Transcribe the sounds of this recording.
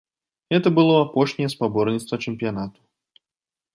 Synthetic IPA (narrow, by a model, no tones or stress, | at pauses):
ɣɛt̪ɐbɨlˠɔapɔʂnʲɛjɛspabɔrnʲit̪st̪vɐt͡ʂɨmpʲijanat̪u̥